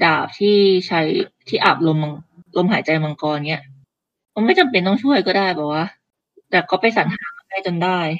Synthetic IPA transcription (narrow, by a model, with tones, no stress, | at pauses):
daː˨˩p̚t̪ʰiː˥˩t͡ɕʰa˦˧˥jt̪ʰiː˥˩ʔa̰˨˩p̚lo˧mːa˧ŋlo˧mɦaː˩˦jt͡ɕa˧jma˧ŋkɔː˧nni˦˥ɐʔ | ma˧˩˦ma˥˩jt͡ɕa˨˧mpe˧nt̪ɔ˥˩ŋt͡ɕʰu˥˩əjkɔː˥˩daː˥˩jbɛː˨˩p̚waː˥˩ | t̪ɛː˨˩kɔː˥˩pa˧jsa˩˦nt̪ʰaː˩˦kɔ˥˩pʰa˧˩t͡ɕo˧ndaː˥˩j